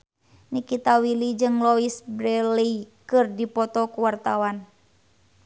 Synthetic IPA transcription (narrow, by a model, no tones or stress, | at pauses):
nikit̪awilid͡ʒɨŋlɔisbɾɛlikɨrdipɔt̪ɔkuwart̪awan